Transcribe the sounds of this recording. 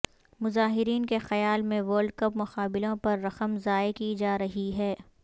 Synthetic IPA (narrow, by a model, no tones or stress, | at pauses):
mʊzaːɦɪɾiːnkexɐjaːlmẽʋəːɾlɖ̚kɐpmʊqaːbɪlõpɐɾːɐqəmzaːekid͡ʒaːɾɐɦiɦɛː